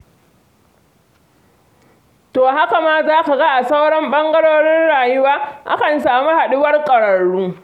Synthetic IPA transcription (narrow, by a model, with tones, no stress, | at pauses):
toː˨ɦa˦ka˨ma˦zaː˦ka˨ɡa˦ʔa˨sa˦wɽɐ˦mɓɐ˦ŋɡɐ˦ɽoː˦ɽɪ˦nɽaː˨jʊ˦waː˦ʔa̰˦kɐ˨nsaː˨mu˦ha˨ɗɪ˦wɐ˦rkʼɐ˨ɽɐː˨uː˦